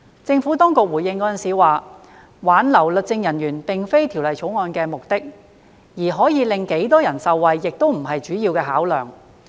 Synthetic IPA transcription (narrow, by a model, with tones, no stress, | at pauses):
t͡sɪ˧ŋfuː˨˥t̪ɔː˥ŋkʊ˨k̚wuː˨˩jɪ˧ŋkɔː˨˥ɐ˨nsiː˨˧waː˨ | waː˨˥nlɐ˨˩wlɵ˨t̚t͡sɪ˧ŋjɐ˨˩njyː˨˩npe˨˩ŋfe˥jt̪ʰi˨˩wlɐ˨˩jt͡ʃʰo˨˥wŋɔː˧nkɛː˧mʊ˨k̚t̪ɪ˥k̚ | jiː˨˩ɦɔː˨˥jiː˨˧lɪ˨ŋke˨˥jt̪ɔː˥jɐ˨˩nsɐ˨wːɐ˨jːɪ˨k̚t̪o˥wm̩˨˩ɦɐ˨jt͡ʃyː˨˥jiː˧wkɛː˧ɦaː˨˥wlœː˨˩ŋ